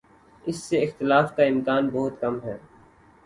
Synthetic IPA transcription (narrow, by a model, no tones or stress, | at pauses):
ɪsːeɪxt̪ɪlaːfkaɪ̃mkaːnbɔɦʊt̪kɐmɦɛː